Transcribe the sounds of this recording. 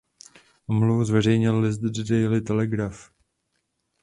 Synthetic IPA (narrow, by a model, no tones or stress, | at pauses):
ʔomluvuzvɛr̝ɛjɲɪlːɪs̬d̪ddɛjlɪt̪ɛlɛɡɾaf